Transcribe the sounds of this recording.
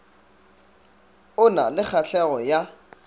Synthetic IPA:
ʊna̰lɪk͡xʰaɬʰɛɣɔja

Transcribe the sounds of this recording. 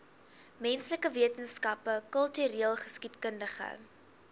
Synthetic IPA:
mɛnsləkəviətənskɐpəkəlˠtyɾiəlˠχə̥skitkəndəχə̰

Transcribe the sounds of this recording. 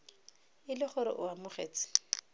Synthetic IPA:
ɪlɪχʊɾɪ̰ʔʊamʊχḛːt͡sɪ̥

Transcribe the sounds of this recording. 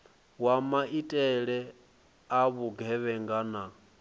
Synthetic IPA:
wamaʔitʼɛɺɛ | aβuɡʱɛβɛŋɡana

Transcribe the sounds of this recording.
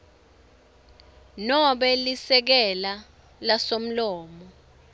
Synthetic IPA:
nɔɓɛlisɛk̬ɛla | lasom̩lɔːmɔ

